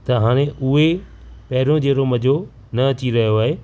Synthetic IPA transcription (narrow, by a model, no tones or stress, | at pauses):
t̪ɐɦaːɽ̃ẽʔʊɦepɐɦɪɾõd͡ʑeːɾomɐd͡ʑʱo | nɐɐt͡ɕiɾɐɦijoaːɦeː